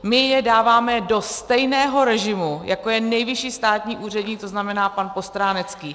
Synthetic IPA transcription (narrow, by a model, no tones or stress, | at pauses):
mɪjɛdaːvaːmɛdo̞st̪ɛjnɛːɦo̞ɾɛʒɪmujʔako̞jɛnɛjvɪʃiːst̪aːt̪ɲiːʔuːr̝ɛdɲiːk̚t̪o̞znamɛnaːpanpo̞st̪ɾaːnɛt͡skiː